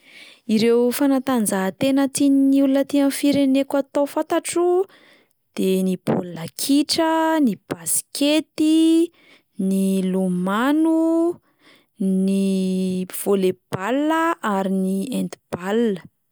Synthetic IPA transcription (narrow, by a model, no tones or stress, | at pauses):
iɾewfanat̪and͡zaɦt̪enət̪ininiulunət̪iamfiɾenekat̪ofant̪aʈ͡ʂu | d̪̥enib̥o̰lakʰiʈ͡ʂənib̥asi̥ket̪i | nilumanu | ni | v̥oleb̥alːəʔaɾiniend̪i̥b̥alnə